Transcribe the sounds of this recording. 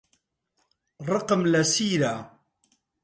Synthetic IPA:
ɾˤɑqmlasiːɾa

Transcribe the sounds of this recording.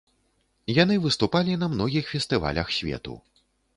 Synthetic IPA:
janɨvɨst̪upalʲinɐmnɔɣʲixfʲɛst̪ɨva̰lʲɐ̰xsʲvʲɛ̰t̪ṵ

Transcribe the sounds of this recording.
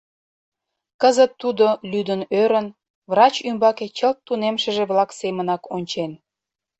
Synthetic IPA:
kəzət̪ːud̪olyd̪ənøɾən | vrɑt͡ɕymbɑket͡ɕəlt̪ːunemʃə̆ʒeβlɑksemənɑkonʲt͡ɕen

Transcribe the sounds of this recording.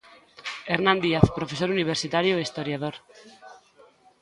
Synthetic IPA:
eɾnãnd̪iaθpɾofes̬oɾuniβ̞eɾsit̪aɾjoeist̪oɾjað̞oɾ

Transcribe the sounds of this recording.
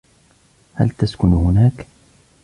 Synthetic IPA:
ha̰lt̪askʊnhʊnaːk

